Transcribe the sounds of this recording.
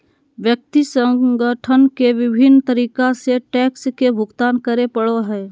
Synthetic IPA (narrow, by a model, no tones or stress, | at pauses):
ʋjək̚t̪isə̃ɡəʈʰənkeʋɪbʱɪnːt̪əɾiːkaseʈɛːkskebʱʊɡt̪aːnkəɾepəɽoɦɛː